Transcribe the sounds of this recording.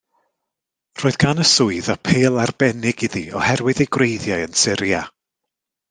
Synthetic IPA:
r̥oːɨðɡ̥anəsʊɨðapʰeːlˠarb̥ɛnɪɡ̥ɪðiɔ̰hɛrwɨðejɡwrejðjajənsɪɾja

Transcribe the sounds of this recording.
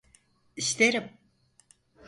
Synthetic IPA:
ist̪ʰeɾim

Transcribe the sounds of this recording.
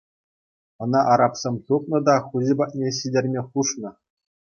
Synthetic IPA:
ɤ̆nɑʔɑɾɑpsʲemʲjup̪̚nɤ̆d̪ɑχuʑʲibɑt̚ʲnʲeɕidʲerʲmʲeχuʂnɤ̆

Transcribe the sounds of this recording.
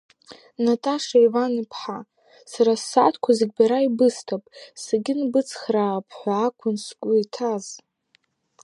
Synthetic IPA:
natʼaʂejvanipʰħa | saɾasːatʰkʷʰazɨɡʲbaɾaibɨstʰapʼsaɡʲɪnbɨt͡sʰχrapʰħʷaːkʷʰʊnskʷʼʊitʰaz

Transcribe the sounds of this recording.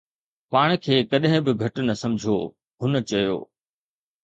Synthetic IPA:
paːɽ̃kʰeːkɐɗɦɪ̃bɪɡʱɐʈnɐsɐ̃md͡ʑʱo | ɦʊnə̆t͡ɕɐjo̰ː

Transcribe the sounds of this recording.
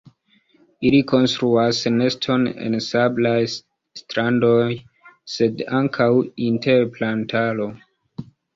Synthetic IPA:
iliko̞nstɾuasne̞stʰo̞nḛnsablaj | stɾando̞j | se̞daŋkʰawinte̞ɾplantʰalo̞

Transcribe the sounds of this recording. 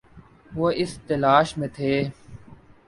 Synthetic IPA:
ʋoɪst̪əlaːʃmẽːt̪ʰeː

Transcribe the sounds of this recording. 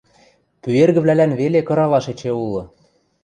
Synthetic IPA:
pyerɣɘ̆βlælænβelekɤ̆ɾɑlɑʃet͡ɕeulɤ̆

